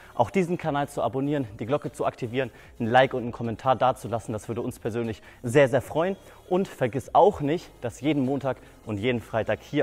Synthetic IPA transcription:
ʔa̰ʊxd̥iːzn̩kʰanaːlt͡suaboniːʁ̞əndiːɡlɔkət͡suaktʰiviːʁən | n̩laɪkʊntn̩kʰɔmɛntʰaːɐdaːɐt͡sulasn̩d̥asv̥ʏɐdəʊnspʰɛɐzøːnlɪç | zeːɐzeːɐfʁ̥ɔʏən | ʔʊntfɛɐɡɪsaʊxnɪçtd̥asjeːdn̩moːntʰaːk | ʊntjeːdn̩fʁ̥aɪtaːkhiːɐ

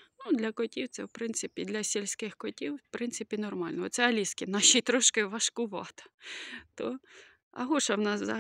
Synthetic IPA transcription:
nud̪lʲɐkɔtʲiwt̪sɛwpɾɪnt̪sɪpʲid̪lʲɐsʲilʲsʲkɪxkɔtʲiwpɾɪnsɪpʲinɔrmɑlʲnɔɔt̪sɛɐlʲiskʲɪnɑʃijt̪ɾɔʃkɪʋɐʃkʊʋɑt̪ɐ̥t̪ɔ | ɐ̰ɦuʃɐwnɑszɐ

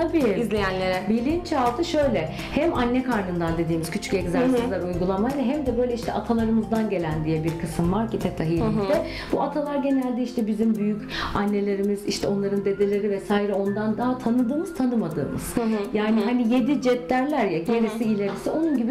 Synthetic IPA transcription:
t̪ʰabiizlʲejænlʲeɾɛbilʲint͡ʃalˠt̪ʰɯʃø̞jlʲɛ | hɛmanːɛkʰaɾnɯnd̪and̪e̞d̪iːmizcʰyt͡ʃʰycɛɟzalsɯlaɾujɡulˠamajlɛɦɛmd̪ɛbø̞jlʲɛiʃt̪ʰɛʔat̪ʰalˠaɾɯmɯzd̪anɟe̞lʲænd̪ijɛbiɾkʰɯsɯmvaɾcʰit̪ʰɛt̪ʰaɦijid̪ɛ | buat̪ʰalˠaɾɟe̞nælʲd̪ɛiʃt̪ʰɛbizimbyjycanːe̞lʲe̞ɾimiziʃt̪ʰɛo̞nlˠaɾɯnd̪e̞d̪e̞lʲe̞ɾivɛsaːiɾɛo̞nd̪and̪aɦat̪ʰanɯd̪ɯːmɯz̥t̪ʰanɯmad̪ɯ̰ːmɯ̰z̥ɦjaːniɦanije̞d̪id͡ʒɛt̪læɾlʲæɾjaɟe̞ɾisiːlʲe̞ɾisio̞nunɟibi

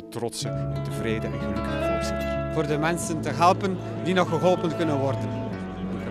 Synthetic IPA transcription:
trɔtsənɔpdəvreːjdəʔɛnpedikatasiv̥oːrdəmɛnsəntəɦɛlˠpən | dinɔxəɦɔlˠpənkɵnənʋɔrdən

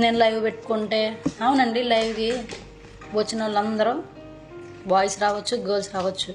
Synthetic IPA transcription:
neːnlɐjʋupe̞ʈːu̥kuɳʈe̞ːɐwunɐɳɖilɐjʋki | ʋɐt͡ʃːinɐlːɐnd̪ɐɾɐm | ʋaːjsɾaːʋɐt͡ʃːuɡeːlsɾaːʋɐt͡ʃːu

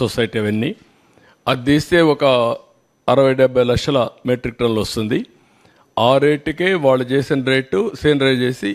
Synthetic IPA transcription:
sosɐjʈiɐʋɐnːi | ɐd̪iːst̪e̞ːɔkɐ | ɐɾɐʋɐjɖɛbʱːɐjlɐkʂɐlɐmeʈɾik̚ɾɐnlɐst̪und̪i | aːɾe̞ːʈːkeːʋaːɭːut͡ʃe̞ːsinɐɾe̞ːʈːuseːnɾee̞ːsi

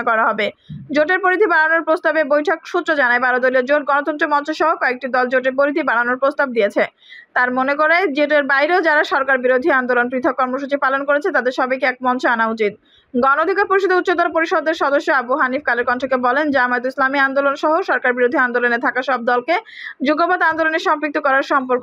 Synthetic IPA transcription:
kɔɾaɦɔbed͡ʑoʈeɾpoɾid̪ʰʱibaɽanoɾpɾost̪abebojʈʰokʃut̪ːɾod͡ʑanaebaɾod̪oliod͡ʑoʈ̚ɡɔnot̪ɔnt̪ɾemɔnt͡ɕoʃɔɦokɔek̚ʈid̪ɔld͡ʑoʈ̬eɾpoɾit̪ʰibaɽ̤anoɾpɾost̪ab̚d̪ijet͡ɕʰe | t̪aɾmonekoɾeed͡ʑieʈ̬eɾbajɾeod͡ʑaɾaʃɔɾkaɾbiɾod̪ʱiand̪olonpɾit̪ʰok̚ːɔɾmoʃut͡ɕipalonkoɾet͡ɕʰet̪ad̪eɾʃɔbejkeɛk̚mɔnt͡ɕeanaut͡ɕit̪̚ | ɡɔnood̪ʱikaɾpoɾiʃod̪eut̪ːt͡ɕod̪ɔlpoɾiʃod̪eɾʃɔd̪oʃːoabuɦanifkaleɾkɔntʰekebɔlend͡ʑamaet̪oislamiand̪olonʃɔɦoʃɔɾkaɾbiɾod̪ʱiand̪olonet̪ʰakaʃɔb̚d̪ɔlke | d͡ʑuɡobad̪and̪oloneɾʃɔmpɾik̚t̪okɔɾaɾʃɔmpoɾko

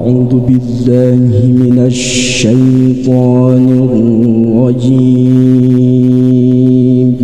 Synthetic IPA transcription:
ʔʕuːd̪ʊbɪlːaːhɪmɪnaʃː | ajt̪ˤɑːnɪ | ɾˤɑd͡ʒiː | m

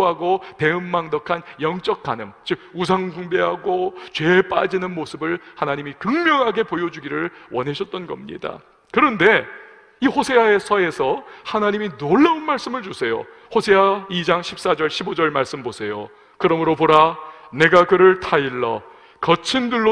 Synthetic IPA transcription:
ɦaɡote̞ɯmːaŋdʌkʰanjʌŋt͡ɕ͈ʌk͈ʰanɯmt͡ɕɯɡ̚us̬ʰaŋɡuŋbe̞ɦaɡot͡ɕwe̞p͈a̰d͡ʑinɯnmosʰɯbɯɭhanaɲimikɯŋmjʌŋɦaɡe̞pojʌd͡ʑuɡiɾɯɭwʌnɦe̞ɕʰʌt̚t͈ʌnɡʌmɲḭda̰ | kɯɾʌnde̞ | ihosʰe̞waesʰʌe̞sʰʌhanaɲiminoɭːaunmaɭs͈ɯmɯɭt͡ɕusʰe̞jo̰ | hosʰe̞waid͡ʑaŋɕʰip̚s͈ad͡ʑʌɭɕʰibod͡ʑʌɭmaɭs͈ɯmbosʰe̞jo̰ | kɯɾʌmɯɾopoɾane̞ɡakɯɾɯɭtʰaiɭːʌ | kʌt͡ɕʰindɯɭːo

